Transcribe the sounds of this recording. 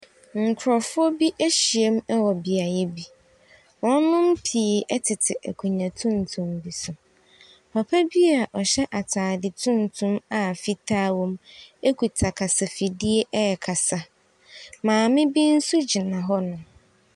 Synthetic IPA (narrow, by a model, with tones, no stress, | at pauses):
ŋ̩˨kʰʊ˨ɾɔ˨fʊ˦ɔ˦bi˦ʔe˦ɕi˨e˦m˦ɛ˦wɔ˨bi˨a˨jɛ˦bi˦ | wɔ̃˦nʊ̃˦m̩˦pʰi˨ʔɛ˦tʰɪ˨tʰɪ˨ʔæ̰˨kʰu˨ɲã˨tʰʊ̃˦n˨tʰʊ̃˦mbi˨sʊ˨ | pʰa˨pʰa˦bi˦a˨ʔɔ˨ɕɛ˦ʔa˨tʰaː˨dɪ˨tʰʊ̃˦n˨tʰʊ̃˦ma˨fi˦tʰaː˦wɔ̃˦me˦kʰu˨tʰa˨kʰa˨sa˨fi˨di˦e˦ʔɛ˦ɛ˨kʰa˨sa˨ | mãː˨mɪ̃˦bi˦n̩˦su˦d͡ʑi˨nã˨ɦɔ˦nʊ̃˨